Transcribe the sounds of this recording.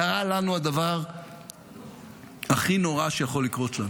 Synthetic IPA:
aʁalanuad̪avaʁ | aχino̞ʁaʃejaχo̞lːikʁo̞t̪lan

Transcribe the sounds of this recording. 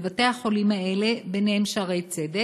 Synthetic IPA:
vat̪eahaχo̞limaele̞beneɦemʃaʁejt͡sed̪e

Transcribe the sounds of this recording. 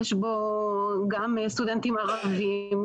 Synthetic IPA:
eʃboɡamst̪ud̪ent̪imaʁavim

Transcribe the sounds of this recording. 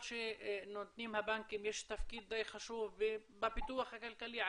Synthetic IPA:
ʃiʔɪnːot̪niːmhabaŋkimeʃt̪afkiːt̪̚d̪ɑjxhaʃuːfbibapit̪uwaxakalkali

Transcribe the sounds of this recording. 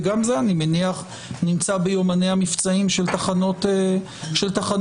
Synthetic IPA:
ɡamzeanimeniaχ | nimt͡sabejomanejamift͡saimʃelt̪aχanot̪e | ʃelt̪aχan

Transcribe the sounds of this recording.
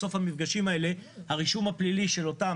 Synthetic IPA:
o̞fhamifɡaʃimae̞le̞haʁiʃumhapliliʃe̞lo̞ta

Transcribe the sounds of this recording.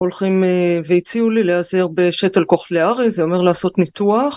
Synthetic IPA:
o̞lχimevejit͡siulileazeʁbeʃetelkoχleaʁizeo̞me̞ʁlaːso̞tnituaχ

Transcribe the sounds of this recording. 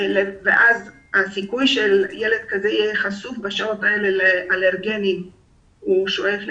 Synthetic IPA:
leveʔaz | hasikujʃeljele̞d̪̚kazeijɛχasufbaʃaot̪aeleleʔaleʁɡenim | uʃoefl

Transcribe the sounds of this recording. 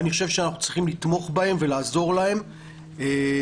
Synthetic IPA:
niχoʃevʃeanaχnu̥t͡sʁiχimlit̪mo̞χbae̞mve̞laːzo̞ʁlahe̞m | e

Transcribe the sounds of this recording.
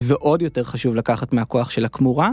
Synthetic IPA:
veʔo̞djo̞te̞ʁχaʃuvlakaχatmeɦako̞aχʃe̞lhakmuʁa

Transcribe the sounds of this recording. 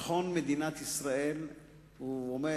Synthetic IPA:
χonmed̪inat̪isʁaʔel | uome

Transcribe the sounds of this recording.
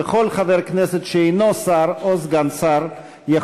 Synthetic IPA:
əχɔlˠχavɛɾknɛsɛtʃeinɔsaɾɔsɡansaɾ | ja

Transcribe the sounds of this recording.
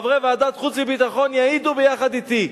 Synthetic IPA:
vʁevead̪at̪χut͡smibit̪aχo̞njaid̪ubejaχad̪it̪i

